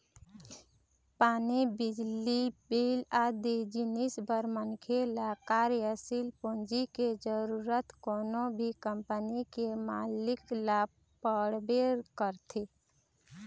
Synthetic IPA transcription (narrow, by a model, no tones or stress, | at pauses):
paːnibɪd͡ʒlibilad̪ed͡ʒinisbəɾmənkʰelaːkaːɾiəsilpõːnd͡ʒiked͡ʒəɾuɾət̪koːnobʱikəmpənikemalɪklab̚ | pəɽbeɾkəɾt̪ʰi